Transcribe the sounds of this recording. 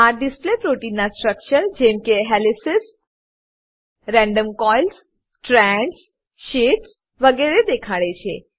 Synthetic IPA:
aɖɪsplepɾoʈinːasʈɾəkʃənd͡ʒɛ̃mkeɦɛlisɪs | ɾɛ̃ɳɖəmkɔjlsː | ʈɾɛɳɖs | ʃiʈs | ʋəɡɛɾed̪ekʰaɭet͡ʃʰe

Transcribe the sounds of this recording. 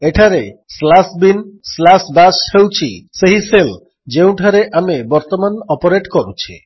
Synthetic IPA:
eʈʰaɾeslasbinslasbashewt͡ɕʰḭseɦisel | d͡ʒew̃ʈʰaɾeʔamebɔɾt̪omanɔpoɾeʈkɔɾut͡ɕʰḭ

